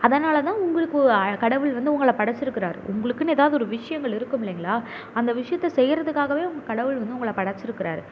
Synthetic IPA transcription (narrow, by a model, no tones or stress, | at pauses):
ɐðɐnaːlɐt̪ãːʊŋɡɐɭɯkːɯkɐɽɐʋɯɭʋɐnd̪ɯʊŋɡɐɭɐpɐɽɐt͡ʃːɪɾɯkːɪɾaːɾɯ̰ʊ̰ŋɡɐɭɯkːɯnɯeːðaːʋðɯɔɾɯʋɪʂɐjɐŋɡɐɭɪɾɯkːɯmɪlːɛːŋɡɐɭaː | ɐnd̪ɐʋɪʂɐjɐt̪ːɐsɛjːɪɾɐðɯkːaːɣɐʋeːʊŋɡɐkɐɽɐʋɯɭʋɐnd̪ɯʊŋɡɐɭɐpɐɽɐt͡ʃːɪɾɯkːɪɾa̰ːɾɯ